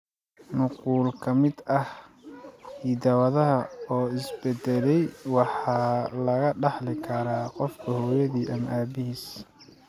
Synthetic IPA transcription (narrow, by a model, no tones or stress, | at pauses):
nʊquːlkʰɐmɪd̪ɐh | hiːd̪ɐwɐðɐɦɐɔːɪsbɛd̪ɛlɛjwɑħɑːlɐɣɐɖɑħlɪkʰɐɾaːqɔfkʰɐhɔːjɐðiːʔɐmʔaːbɪhiːs